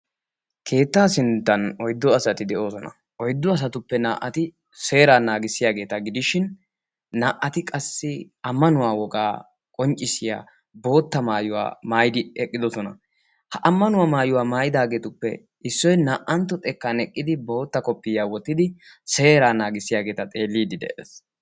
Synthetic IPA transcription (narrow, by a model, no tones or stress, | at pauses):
kʰe̞ːt̪ːaːsɪnt̪ːɐnɔjd̪ːɔɐsɐt̪ɪd̪ɛʔo̞ːsɔnɐ̰ | ʔɔjd̪ːɔɐs̬ɐt̪ʊpːɛna̰ːʔːɐt̪ɪ | se̞ːɾaːnaːɡɪsːɪjaːɡe̞ːt̪ɐɡɪd̪ɪʃɪnː | aːʔɐt̪ɪkʼɐsːɪ | ɐmːɐnʊwaːwɔɡʼaː | kʼɔnt͡ʃʼːɪsɪja̰ː | bo̞ːt̪ːɐmaːjʊwa̰ːmaːjd̪ɪɛkʼːɪd̪ɔsɔnɐ̰ | hɐʔɐmːɐnʊwaːmaːjʊwaːmaːjɪd̪aːɡe̞ːt̪ʊpːɛ | ɪsːɔjnaːʔʔɐnt̪ːɔt̪ʼɛkːanɛkʼːɪd̪ɪbo̞ːt̪ːɐkɔpːɪjaːwɔt̪ːɪd̪ɪ | se̞ːɾaːnaːɡɪsːɪjaːɡeːt̪ɐt̪ʼe̞ːlːiːd̪ɪd̪ɛ̰ʔḛːs